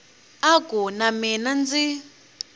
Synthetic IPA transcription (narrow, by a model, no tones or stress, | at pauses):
akunamɛnand͡zi